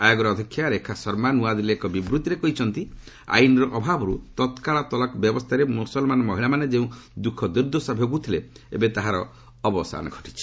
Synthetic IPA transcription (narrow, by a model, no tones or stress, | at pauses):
ajɔɡɔɾɔːd̪ʱikʰːjaɾekʰasɔɾmanuad̪ileekɔbibɾut̪iɾekɔɦit͡ʃʰɔnt̪i | a̰inɔɾɔʔɔbʱabɔɾut̪ɔt̪kaɭat̪ɔlɔkbjɔbɔst̪ʰaɾemusɔlmanɔmɔɦiɭamaned͡ʒeũd̪ukʰɔd̪iɾd̪ʱɔsabʱokut̪ʰileḛbet̪aɦaɾɔː | bɔsa̰nɔɡʱɔ̥ʈi̥t͡ʃʰi̥